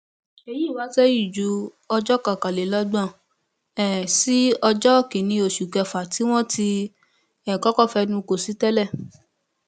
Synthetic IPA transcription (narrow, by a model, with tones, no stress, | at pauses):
e˧˨ji˦˨wa˨˦sɛ˦ji˦˨d͡ʒu˨˦ | ɔ˧d͡ʒɔ˦kã˨ka˨le˨˦lɔ˦ɡ͡bã˦˨ | ɛ˨si˨˦ɔ˧d͡ʒɔ˦ki˨nĩ˧o˨ʃu˨kɛ˧fa˨ti˨˦w̃ɔ̃˦ti˧ | ɛ˨kɔ˨˦kɔ˦˨fɛ˧nũ˧ko˨si˨˦tɛ˦lɛ˦˨